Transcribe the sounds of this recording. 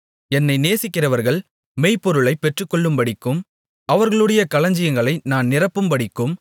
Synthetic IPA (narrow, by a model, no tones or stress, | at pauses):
ɛnːɐɪneːsɪkːɪrɐʋɐɾɣɐɭ | meɪpːɔɾɯɭɐɪpːɛʈrɯkːɔɭːɯmpɐɽɪkːɯm | ɐʋɐɾɣɐɭɯɽɐjɐkɐlɐɲd͡ʒɪjɐŋɡɐɭɐɪnaːnnɪrɐpːɯmbɐɽɪkːɯm